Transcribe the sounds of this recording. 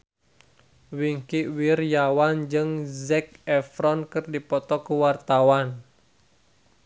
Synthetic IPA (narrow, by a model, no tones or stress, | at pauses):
wiŋkiwirjawand͡ʒɨŋzɛk̚ɛfɾɔnkɨrdipɔt̪ɔkuwart̪awan